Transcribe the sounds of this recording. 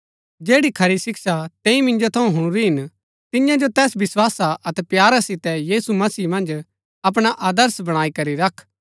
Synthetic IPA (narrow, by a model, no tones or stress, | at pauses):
d͡ʒeːɽikʰɐɾisɪksat̪ɛ̃ːĩmɪ̃nd͡ʒot̪ʰɐũɦʊ̃ɽ̃ɾiɦɪn | t̪ɪjãd͡ʒot̪ɛːsʋɪswaːsaʔɐt̪ɛpjaːɾasɪt̪ɛjiːsumɐsiːmɐ̃nd͡ʒ | ɐp̬ɽ̃aʔaːd̪əɾsbɐɽ̃aːikɐɾiɾɐkʰ